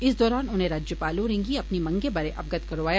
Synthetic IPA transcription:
ɪsd̪ɔːɾaːnʊnɦẽɾaːd͡ʒjəpaːlũɾẽːŋɡiɐpnimɐ̃ŋɡebɐɾeʔɐb̚ɡət̪kɐɾoːʋaːja

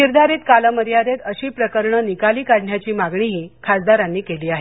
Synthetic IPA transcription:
niɾd̪ʱaɾiːt̪kaləməɾjad̪et̪əɕiːpɾəkəɾɳənikaliːkaɽɳjat͡ɕiːmaɡɳiɦiːkʰasd̪aɾanːiːkeliːaɦe

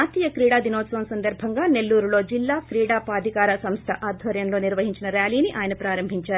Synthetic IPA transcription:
aːt̪iːjɐkɾiːɽaːd̪inoːsoːnsɐnd̪ɐɾbʱɐŋɡaːne̞lːuːɾuloːd͡ʒilːaːkɾiːɽaːpaːd̪ʱikaːɾɐsɐmst̪ʰɐʔaːd̪ʱʋɐɾjɐmlo̞ːniɾʋɐɦiɲt͡ʃinɐɾaːliːniʔaːjɐnɐpɾaːɾɐmbʱiɲt͡ʃaːɾu

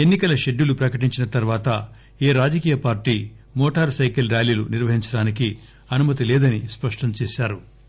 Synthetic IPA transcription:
enːikɐlɐʃe̞ɖːjulupɾɐkɐʈiɲt͡ʃinɐt̪ɐɾʋaːt̪ɐ | eːɾaːd͡ʒɐkiːjɐpaːɾʈiː | mɔːʈaːɾsɐjkɐlɾjaːliːluniɾʋɐɦiɲt͡ʃɐɽaːnik̬i | ɐnumɐt̪̬ilɛːd̪ɐnispɐʂʈɐmt͡ʃɛːʃaːɾu

